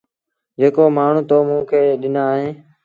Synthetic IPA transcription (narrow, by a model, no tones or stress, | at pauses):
d͡ʒeːkoːmaːɳ̤ũːt̪oːmũːkʰeːɗɪnaːɦẽː